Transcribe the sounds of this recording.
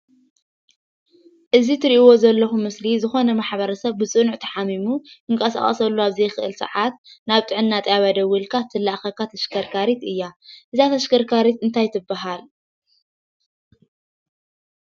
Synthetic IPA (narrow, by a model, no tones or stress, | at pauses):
ʔɨzit̪ʰɨɾiʔiwo̞zɐlːɐxumɨslizɨxo̞nɐmaħβɐɾɐsɐβːɨt͡sʼɨnuʕt̪ʰɐ̥ħamimuɨŋkʼɐsa̰χʼɐ̰sɐlːuaβzɐjxɨʔɨlsɨ̰ʕat̪naβt̪ʼɨʕɨnːat̪ʼjaβad̪ɐwːɨlkʰat̪ʰɨlːaʔxɐkːat̪ʰɐʃkʰɐɾkʰaɾit̪ʔɨjːaʔɨzat̪ʰɐʃkʰɐɾkʰaɾit̪ɨnt̪ʰajt̪ʰɨbːaɦal